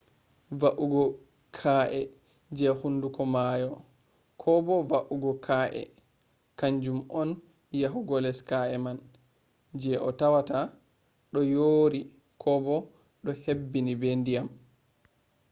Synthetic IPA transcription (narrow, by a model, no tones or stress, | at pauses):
vaʔuɡɔ | kʰaʔɛ | d͡ʒɛhundukɔmajɔ | kʰɔbɔvaʔuɡɔkʰaːʔɛ̰ | kaɲd͡ʒumʔɔn | jaɦuɡɔlɛskaʔɛman | d͡ʒɛʔɔ̰tawata | ɗɔjoːɾi | kʰɔbɔ | ɗɔhebːinibɛndijam